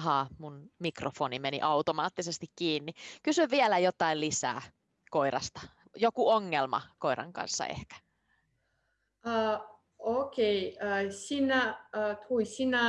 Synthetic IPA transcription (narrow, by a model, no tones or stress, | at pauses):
ɦɑːmunmikrʔofoːnimenḭʔɑut̪omɑːt̪ːisest̪ikkiːnːikysyʋʋielæjot̪ˑɑilisæ̰ː | koirɑ̰st̪ɑ̥ | jokuoŋːelmɑ̰ko̞iɾɑ̰ŋkɑ̰nsːɑ̰ḛhkæ̥ | ə | okeiəsinæət̪ʰuisinæ